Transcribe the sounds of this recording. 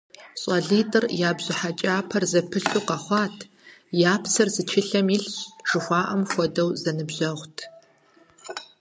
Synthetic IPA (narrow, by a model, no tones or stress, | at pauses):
ɕʼɐɮiːtʼɨrjaːbʑɪħat͡ʃʼaːpʰɐrzɐpʰɨɬuːqɐχʷɑːtʰ | jaːpʰsʰɐrzɨt͡ʃʰɪɬɐmiɬɕʒ̥ɨxʷɑːʔɐmxʷɔdɐwzɐnɨbʑɐʁʷtʰ